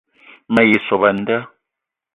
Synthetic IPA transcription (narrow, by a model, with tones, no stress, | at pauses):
ma˨ji˨sɔ˨βa˨n˦da˦